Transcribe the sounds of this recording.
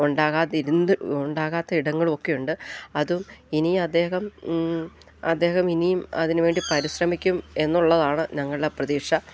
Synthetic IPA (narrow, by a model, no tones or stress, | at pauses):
uɳɖaːɣaːt̪ːiɾunɨuɳɖaːɣaːt̪ːɐiɽɐŋːɐɭumo̞kːe̞juɳɖɨɐðuminijɐd̪ːe̞ːɦɐm | ɐd̪ːe̞ːhɐminijumɐ̰ðinuʋe̞ːɳɖipɐɾiɕrɐmikʲːume̞nːuɭːɐðaːɳɨɲɐŋːɐɭɨðeprɐðiːʂɐ